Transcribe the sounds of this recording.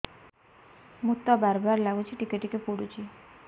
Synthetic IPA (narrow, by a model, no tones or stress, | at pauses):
mut̪ːabaɾbaɾlaɡut͡ɕʰiʈikeʈikepuɽut͡ɕi